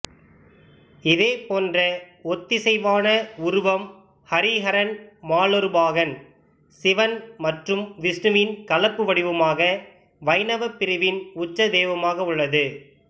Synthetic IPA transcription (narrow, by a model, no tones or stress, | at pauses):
ɪðeːpoːndrɐɔt̪ːɪsɛɪʋaːnɐʊɾʊʋɐm | hɐɾɪɣɐɾɐnmaːlɔɾɯbaːɣɐn | sɪʋɐnmɐʈrɯmʋɪsnɯmɪnkɐlɐpːɯʋɐɽɪʋɯmaːɣɐ | ʋɐɪnɐʋɐpːɪɾɪʋɪnʊt͡ʃːɐd̪eːʋɐmaːɣɐʊɭːɐðɯ